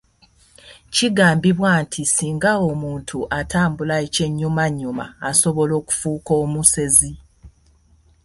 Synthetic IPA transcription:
ciɡaːmbiβwaːntʰisiːŋɡaomuːntʰuʔatʰaːmbulaece̞ɲːumaɲːuma̰ːso̞βo̞lo̞ːku̥fuːko̞ːmuse̞zi

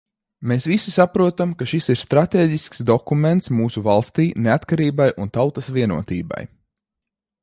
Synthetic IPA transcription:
meːsʋisisapɾuɔt̪amkaʃisiɾst̪ɾat̪eːɟisksd̪ɔkument̪smuːsuvalˠst̪iːneat̪kaɾiːbajʔunt̪awt̪asʋviɛnṵɔt̪ḭːba̰j

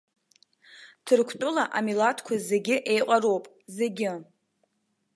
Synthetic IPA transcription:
tʰɨrkʷʰtʼʊlaʔamilatʰkʷʰaze̞ɡʲɪʔe̞jqʼaɾowpʼ | ze̞ɡʲɪ

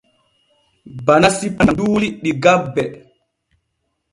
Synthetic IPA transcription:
banasipanduːliɗiɡabːɛ

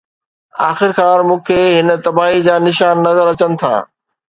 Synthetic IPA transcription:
a̰ːxɪɾxaːɾmũːkʰeːɦɪnt̪ɐbaːɦid͡ʑaːnɪʃaːnːɐzəɾɐt͡ɕənɪ̆t̪ʰa̰ː

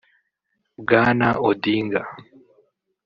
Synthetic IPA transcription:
ɡanaʔodiŋɡa

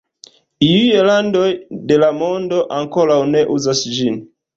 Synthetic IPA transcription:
iujelando̞jde̞lamo̞ndo̞ʔaŋko̞ɾawne̞ʔuzasd͡ʒin

